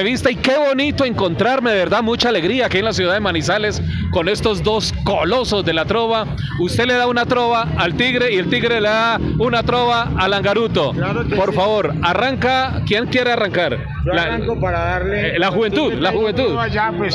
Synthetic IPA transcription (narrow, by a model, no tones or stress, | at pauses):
eβist̪aike̞βo̞nit̪oe̞ŋko̞nt̪ɾaɾme̞ðeβeɾðamut͡ʃaːle̞ɣɾiaːkienlas̬juðaðemanisale̞s | ko̞ne̞st̪o̞zd̪o̞skolo̞so̞zd̪e̞lat̪ɾo̞βa | ust̪ele̞ðaunat̪ɾo̞βaːlt̪iɣɾe̞ie̞lt̪iɣɾe̞leðaunat̪ɾo̞βaːlaŋɡaɾut̪o̞apo̞ɾfaβo̞ɾaraŋkakje̞ŋkje̞ɾe̞araŋkaɾ | la | paɾaðaɾlelaxuβe̞nt̪uðlaxuβent̪uða